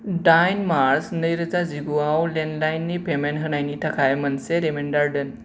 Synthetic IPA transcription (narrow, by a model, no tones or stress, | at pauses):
ɖajnmaɾsnəjɾəd͡zad͡ziɡuawlenlajnːipemenɦənajnit̪ʰakʰajmənseɾemeɳɖaɾɖən